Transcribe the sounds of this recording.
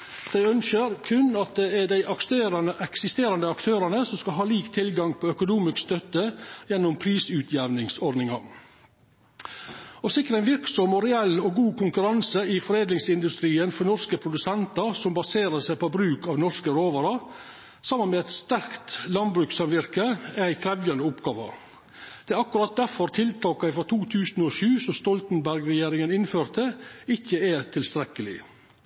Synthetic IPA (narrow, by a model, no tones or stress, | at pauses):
d̪̥æɪœnsəɾkʰʉnːɑt̪̚d̪ɛɛɖæɪʔɑkst̪eːɾɑnəʔɛksɪst̪eːɾɑnd̪əɑkt̪ʰøːɾɑnəsɔmskɑlɦɑːliːkt̪ʰɪlɡɑŋpʰɔœkʊnuːmɪskst̪œt̪ːəjɛnːʊmpʰɾiːsʉːt̪ʰjɛʋnɪŋsɔɾd̪nɪŋɑ | ɔsɪkːəɾəæɪnʋɪɾksɔmɔɾɛɛlːɔɡuːkʊŋkʉɾɑnsəɪfɔɾeːd̪lɪŋsɪnd̪ʉst̪ɾiːənfɔɾnɔskəpʰɾʊd̪ʉsɛnt̪ɑɾsɔmbɑseːɾəsæɪpobɾʉːkɑʋnɔskəɾoːʋɑɾɑ | sɑmːənmɛæt̪st̪æɾkt̪lɑnd̪bɾʉːksɑmʋɪɾkəæɪkʰɾɛʋjɑnəʊpɡɑːʋɑ̰ɾ | d̪̥ɛæɾɑkːʉɾɑt̪̚d̪æɾfɔɾt̪ʰɪlt̪ʰɑːkɑɪfɾɔt̪ʰuːt̪ʰʉːsnɔʃʉːsɔst̪ɔlt̪nbæɾɡɾɛjeːɾɪŋənɪnføːɾt̪əɪçəɛt̪ʰɪlst̪ɾɛkəlɪ̰